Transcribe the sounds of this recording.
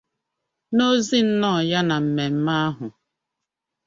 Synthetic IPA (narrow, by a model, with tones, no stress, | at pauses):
no˦zi˦n̩˦nɔ˦˨ja˦na˨m̩˨me˨m̩˦ma˦a˦ɦʊ˨